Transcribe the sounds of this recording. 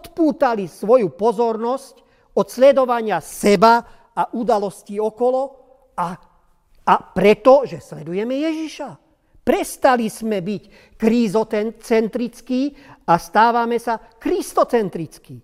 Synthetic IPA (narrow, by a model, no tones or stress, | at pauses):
ɔt̪puːt̪alisʋɔjupɔzɔɾnɔsc | ɔt̪slɛd̪ɔʋaɲɪasɛba | aʔud̪alɔsciːɔkɔlɔ | a | apɾɛt̪ɔʒɛslɛd̪ujɛmɛjɛʒiʃa | pɾɛst̪alizmɛbic | kɾizɔɛnt͡sɛnt̪ɾit͡skiast̪aːʋamɛsa | kɾist̪ɔt͡sɛnt̪ɾit͡skiː